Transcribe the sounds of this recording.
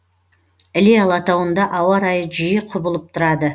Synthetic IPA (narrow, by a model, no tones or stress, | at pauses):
ɪlijɑlˠɑt̪ɑwənd̪ɑʔɑwɑɾɑjəʒijəqʰʊbəlˠəp̚t̪ʰʊɾɑd̪ə